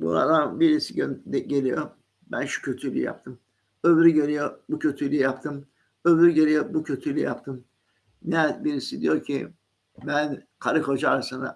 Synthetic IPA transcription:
bṵɾa̰d̪anbiɾisiɟønd̪ɛɟelʲijo | bænʃu̥cʰø̞t̪ʰylʲy̰ija̰p̚t̪ʰɯm | øvɾyɟelijobucʰøt̪ʰylʲyjijapt̪ʰɯm | øvɾyɟelʲijobucʰøt̪ʰylʲḭjapt̪ʰɯm | nɛbiɾisid̪ijo̞ɾcʰi | bæn | kʰaɾɯko̞d͡ʒaaɾasɯna̰

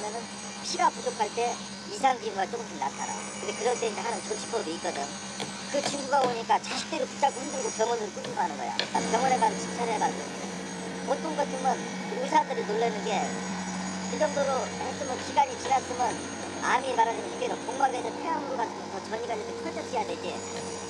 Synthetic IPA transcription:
mjʌnɯn | ɕʰiɡapud͡ʑokʰaɭt͈e̞ | isʰaŋɡiɯmɡaɭt͡ɕ͈okmtinːatʰaɾa̰ | kɯndekɯɾʌtʰeind͡ʑeɦanɯnt͡ɕot͡ɕʰi̥p͈ʌdoik͈ʌdɯɲo | kɯt͡ɕiŋɡuɡaboɲik͈at͡ɕaɕʰi̥k̚t͈eɾoput͡ɕ͈aɡohɯndɯɭɡopjʌŋʌnɯɾok͈uɡumanɯnɡʌ̰jo̰apjʌŋoneɡant͡ɕi̥t͡ɕʰʌɾemanɡo̰ | o̰ | ot͈ʰɯnɡʌt͈ʰɯmʌn | usʰadɯɾinoɭːenɯnɡe̞ | id͡ʑʌŋdoɾomaɭs͈ɯmɯnɕʰiɡaɲit͡ɕinas͈ɯmjʌn | a̰mimaɾadensʰiɡeɾokoŋbaɡedɯnpʰeɦamɯɾokat͈ʰɯmot͡ɕʌɲiɡad͡ʑʌsʰekʰʌd͡ʑʌd͡ʑijadweɡe

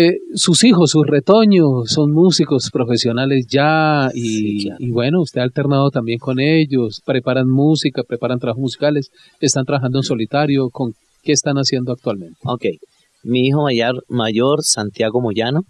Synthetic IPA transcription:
esusixo̞sːusre̞t̪o̞ɲosːo̞nmusiko̞spɾo̞fe̞sjo̞nale̞sd͡ʒaiːβwe̞no̞ust̪e̞alt̪e̞ɾnaðot̪ambje̞ŋko̞ne̞ʝo̞spɾe̞paɾanmusikapɾepaɾant̪ɾaβaxosmusi̥kale̞s | est̪ant̪ɾaβaxand̪oenso̞lit̪aɾjo̞ko̞ŋ | ke̞ːst̪anasje̞nd̪oakt̪walmẽ̞nt̪eokej | miixomajaɾmaʝoɾsant̪jaɣomoʝano

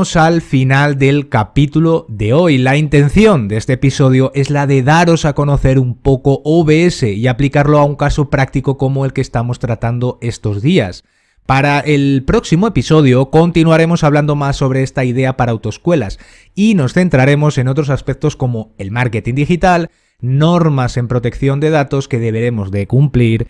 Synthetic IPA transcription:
osalfinald̪e̞lkapit̪ulo̞ðe̞o̞jlaint̪e̞nθjo̞nd̪e̞st̪eːpiso̞ð̞jo̞ʔe̞zlaðe̞ðaɾo̞sako̞no̞θe̞ɾumpo̞ko̞ʔoβe̞ese̞iaplikaɾlo̞auŋkaso̞pɾak̚t̪ikoko̞moe̞lkeːst̪amo̞st̪ɾat̪and̪o̞e̞st̪o̞zðia̰s | paɾaʔe̞lpɾo̞ksimoe̞piso̞ð̞joko̞nt̪inuaɾe̞mo̞saβland̪o̞masːo̞β̞ɾe̞est̪aið̞e̞apaɾaːwt̪oeskwe̞la̰s | ino̞sθe̞nt̪ɾaɾe̞mo̞se̞no̞t̪̬ɾo̞saspek̚t̪o̞sko̞mo̞e̞lmaɾke̞t̪ind̪ixit̪al | no̞ɾmase̞mpɾo̞t̪e̞kθjo̞nd̪e̞ð̞at̪o̞ske̞ð̞e̞βe̞ɾe̞mo̞zðe̞kumpliɾ

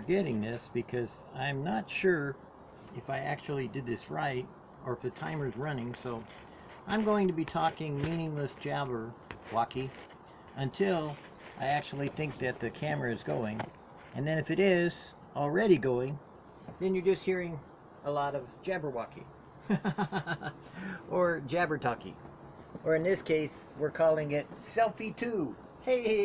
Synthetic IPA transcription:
ə˞ɡɛɾɪ̃ŋðɪsb̥ɨkʰʌz | ãɪ̃mnətʃʊɹ | ɨfaɪæk̚t͡ʃul̩ˠidɨd̪̚ðɪsɹaɪɾ | ə˞ɨfðɨtʰãɪ̃mə˞zɹʌnɪ̃ŋsoʊ | ʔãɪ̃mɡoʊɪ̃ŋtɨbitʰɔkɪ̃ŋmĩnɪ̃ŋləsd̥ʒ̥æbə˞wɑki | ɨ̃ntʰɪlˠ | ʔa̰ɪæk̚t͡ʃul̩ˠiθɪ̃ŋk̚ðɨt̪̚ðɨkʰæmə˞ɨɨzɡoʊɪ̃ŋ | ɨ̃nðɨ̃ñɨfɨɾɪz̥ | l̩ˠɹɛɾiɡoʊɪ̃ŋ | ðɨ̃njə˞d͡ʒʌst̚hiɹɪ̃ŋ | əlɔɾʌvd͡ʒæbə˞wɑkḭ | ʔə˞d͡ʒæbə˞tʰɑkḭ | ə˞ɨ̃nðɪskʰeɪswɪɹkʰɔlˠɪ̃ŋɪt̚sɛlˠfitʰu | heɪ

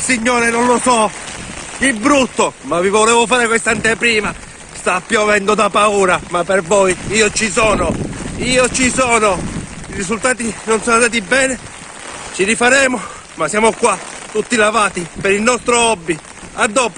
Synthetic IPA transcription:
siɲːɔːɾenonlosɔ | kibɾut̪ːomavivɔlɛːvofaːɾekwest̪ant̪epɾiːma | st̪apːjɔvɛnd̪od̪apauːɾamapervɔjiːot͡ʃisɔːnoiːot͡ʃisɔːnoirizult̪aːt̪inonsɔːnandaːt̪̬ibɛːne | t͡ʃiɾifaɾɛːmo | masjaːmokwat̪ːut̪ːilavaːt̪ipɛɾilnɔst̪ɾoɔbːi | ad̪ːɔːpo

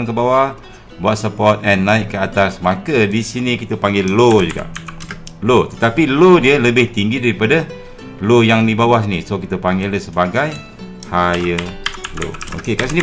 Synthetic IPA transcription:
ŋkəbawah | buat̪̚səpɔt̪̚ɛnːaɪʔkəat̪asmakədisinikit̪əpaŋɡɪlːod͡ʒuɡa̰ʔlot̪ət̪apilodiələbɪht̪iŋɡidaɾipadə | lojaŋdibawahsinisokit̪əpaŋɡɪləsəbaɡaj | hajəlo̰o̰kekasini

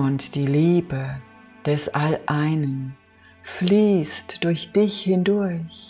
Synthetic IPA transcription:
ʊntd̥iːliːbə | d̥ɛsʔalʔaɪnən | fliːstd̥ʊɐçd̥ɪçhɪndʊɐç

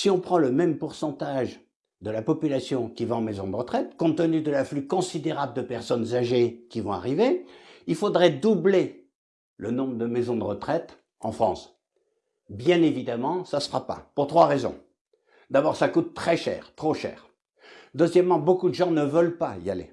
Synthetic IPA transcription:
siɔ̃pχɑ̃ləmɛmpuʁsɑ̃t̪aʒ | d̪əlapɔpylasjɔ̃kʲivaɑ̃mɛzɔ̃d̪əʁət̪χɛt̪kɔ̃t̪ːənyd̪əlaflykɔ̃sid̪eʁabləd̪əpɛʁsɔnzaʒekʲivɔ̃a̰ʁiveilfod̪ʁɛd̪uble | lənɔ̃bʁəd̪əmɛzɔ̃d̪əʁət̪χɛt̪ | ɑ̃fχɑ̰̃s | bjɛ̃nevid̪amɑ̃sasəʁapa̰puʁt̪χwaʁezɔ̰̃ | d̪abɔʁsakut̪ːχɛʃɛ̰ːʁt̪χoʃɛ̰ːʁ | d̪øzjɛmːɑ̃bokud̪əʒɑ̃nəvœlpaḭa̰lḛ

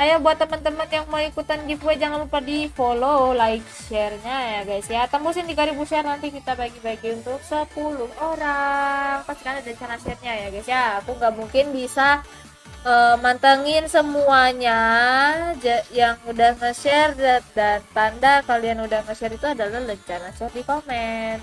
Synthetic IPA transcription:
ajabuat̪ːəmənt̪əmənjaŋmaikut̪anɡifuɛd͡ʒaŋanbupadifololaɪk̚ʃɛrɲajaɡajsiat̪ampusɪndikaɾibuʃɛrnant̪ikit̪abaɡibaiɡiunt̪ʊhsəpulʊhoɾaŋpasti̥kanadat͡ʃanaʃɛrɲajaɡajsiaːkuŋɡaʔmuŋkɪnbisa | əmant̪əŋɪnsəmuaɲa | d͡ʒajaŋudahŋəʃɛrdadant̪andakalianudahŋəʃɛrit̪uadalahləɲt͡ʃanat͡ʃɛrdikomɛnt̪

